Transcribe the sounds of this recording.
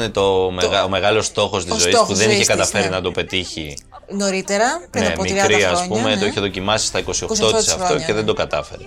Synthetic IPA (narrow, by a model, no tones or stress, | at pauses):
net̪omeɣɐome̞ɣɐlo̞st̪o̞xost̪izo̞ispuðe̞niçekɐt̪ɐfe̞ɾinɐt̪o̞pe̞t̪içi | noɾit̪eɾɐnemikɾiɐspume̞t̪oiçeðo̞cimɐsi̥st̪ɐiko̞siot̪ot̪iseɐt̪o̞ceðe̞nd̪o̞kɐt̪ɐfe̞ɾe